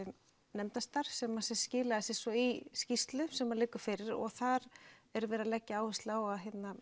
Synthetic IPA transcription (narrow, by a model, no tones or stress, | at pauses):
nɛmt̪ast̪aɾ̥fsɛmasɛ̥scɪːlaasɪsɔiscist̪lʏsɛmːalɪːkʏ̥fɪɾɪɾɔ̰ɣθaɾɛɾvɛːɾalɛcːɪaːwhɪst̪lawaðɦɪt̪na